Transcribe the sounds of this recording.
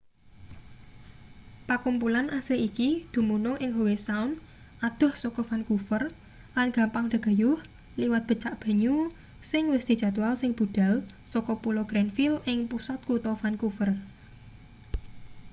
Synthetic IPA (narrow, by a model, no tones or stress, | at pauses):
pakumpulanʔaseʔikid̪̥ṳmunʊŋʔɪŋɦowesaʊn | ʔad̪̥ʊ̤hsɔkɔfankufər | lanɡ̥a̤mpaŋd̪̥a̤ɡ̥a̤jʊh | liwat̪̚b̥ə̤t͡ʃaʔb̥a̤ɲu | sɪŋwɪsd̪̥i̤̥ʒ̥a̤t̪walsɪŋb̥uɖ̪̥a̤l | sɔkɔpulɔɡ̥ɾɛnfilʔɪŋpusat̪̚kut̪ɔfankufər